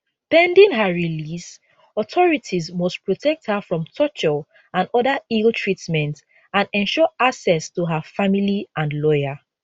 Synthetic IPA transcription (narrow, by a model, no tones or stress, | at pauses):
pɛ̃ndĩŋɦaɹilis | ɔtʰɔɹitʰizmɔspʰɹɔtʰɛk̚thəfɹɔ̃mtʰɔt͡ʃɔ | ãnɔðəiltʰɹitmɛ̃nt | ãnɛ̃nʃɔaksɛstuɦafamiliʔãnlɔja